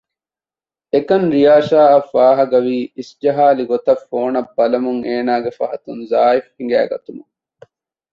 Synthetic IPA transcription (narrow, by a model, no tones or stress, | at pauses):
ekɐnɾijaːʃaːɐfːaːɦɐɡɐʋiːisd͡ʒɐɦaːliɡot̪ɐfːoːnɐbːɐlɐmuŋeːnaːɡefɐɦɐt̪unzaːifhiŋ̆ɡæ̰ːɡɐt̪umuŋ